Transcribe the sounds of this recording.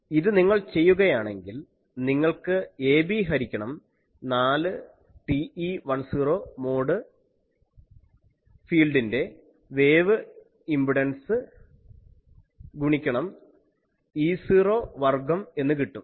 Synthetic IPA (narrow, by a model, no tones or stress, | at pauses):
iðɨniŋːɐɭt͡ɕe̞jːuɣɐjaːɳe̞ŋɡil | niŋːɐɭkɨe̞ːbiːɦɐɾikʲːɐɳɐm | naːlɨ | ʈiiʋɐɳsiːro̞ːmo̞ːɽɨ | fiːlɖinde̞ | ʋe̞ːʋɨ | imbiɖɐnsɨ | ɡuɳikʲːɐɳɐm | iːsiːro̞ːʋɐrɡɐme̞nːɨkiʈːum